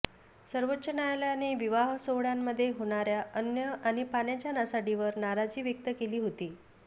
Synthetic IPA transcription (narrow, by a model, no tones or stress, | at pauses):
səɾʋətːɕənajljaneʋiʋaɦsoʋɽjamːəd̪ʱːjeɦoɽ̃aɾjaənjəaɽ̃ipaɳjat͡ɕjanasaɽiʋəɾnaɾad͡ziːʋjək̚t̪əkeliːɦot̪iː